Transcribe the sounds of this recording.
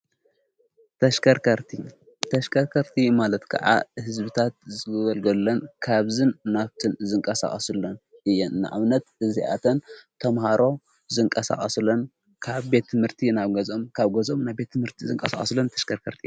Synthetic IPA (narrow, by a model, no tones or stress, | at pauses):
ɐɐɾɐɾt̪i | t̪ʰɐʃkʰɐɾkʰɐɾt̪ʰimalɐt̪kʰɐ̰ʕa̰hɨzbɨt̪ʰat̪̚zɨɨβɐlɡɐlːɐnkʰaβzɨnːaβt̪ʰɨnzɨŋkʼɐsa̰χʼɐsɨlːonɨjːɛnɨna̰ʕa̰βnɐt̪ɨziʔa̰t̪ʰɐnt̪ʰɐmhaɾo̞ | zɨŋkʼɐsa̰χʼɐslon | kʰaβbe̞t̪ʰːɨmhɨɾt̪ʰinaβɡɐzomkʰaβɡɐzomnajbe̞t̪ʰːɨmhɨɾt̪ʰizɨŋkʼɐsa̰χʼɐslont̪ʰɐ̥ʃkʰɐɾkʰɐɾt̪ʰi